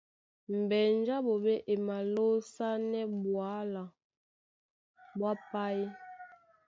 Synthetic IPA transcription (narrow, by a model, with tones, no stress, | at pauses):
m̩˨bɛ˨n˦d͡ʒa˦bo˨be˦ʔe˨ma˨lo˦sa˦nɛ˦bwa˨˦la˨ | bwa˦pa˦i˦